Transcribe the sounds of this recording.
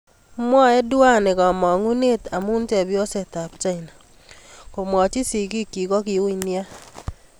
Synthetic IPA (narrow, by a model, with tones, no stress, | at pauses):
mwɔ˦e˦dwa˦ne˨kɔ˨mɔ˨ŋu˦ne˦ta˨mu˦n˦te˨bjɔ˦se˨ta˨pt͡ʃa˦i˨na˨ | ko˨mwɔ˨t͡ʃi˦si˨ki˦ki˨kɔ˦ki˨u˦i˨nja˦